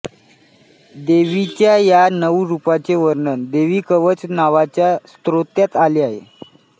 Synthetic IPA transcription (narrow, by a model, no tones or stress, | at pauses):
d̪eʋit͡ɕjajanəʋɾupat͡seʋəɾɳənd̪eʋiːkəʋət͡snaʋat͡ɕjast̪ɾot̪jat̪aliaɦḛ